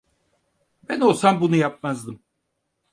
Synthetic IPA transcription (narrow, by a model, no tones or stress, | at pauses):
bæno̞lˠsambunujap̚mazd̪ɯm